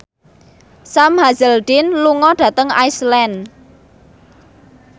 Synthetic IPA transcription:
samɦazəldinluŋɔɖ̥ä̤t̪əŋaislɛn

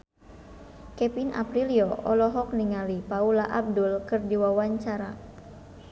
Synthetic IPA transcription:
kɛpinʔa̰pɾiliɔʔɔlɔɦɔk̚niŋalipaulaʔab̚dulkɨrdiwawaɲt͡ʃaɾa

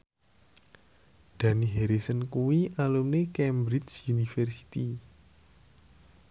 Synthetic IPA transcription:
d̪̥a̤niɦeɾisənkuwiʔalumnekɛmbɾit͡ʃjunifɛrsi̥t̪i

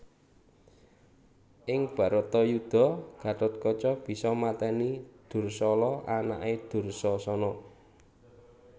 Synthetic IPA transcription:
ʔɪŋb̥ä̤ɾɔt̪ɔjud̪̥ɔ̤ɡ̥ä̤ʈ̪ʊt̪̚kɔt͡ʃɔb̥i̤sɔmat̪ɛnid̪̥ʊ̤rsɔlɔana̰ʔed̪̥ʊ̤rsɔsɔnɔ

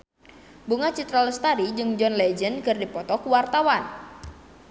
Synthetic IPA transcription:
buŋat͡ʃit̪ɾaləst̪aɾid͡ʒɨŋd͡ʒɔnlɛd͡ʒənkɨrdipɔt̪ɔkuwart̪awan

